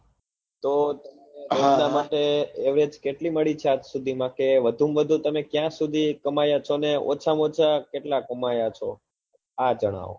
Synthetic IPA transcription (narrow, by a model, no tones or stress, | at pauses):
t̪ot̪əmeɾenamaʈeːʋɾed͡ʒkeʈliməɭit͡ʃʰeat̪sud̪ʱimãkeʋəd̪ʱumʋəd̪ʱũt̪əmekjãsud̪ʱikəmajat͡ʃʰoneo̰t͡ʃʰamot͡ʃʰakeʈlakəmajat͡ʃʰo | ad͡ʒəɽ̃a̰ʋo̰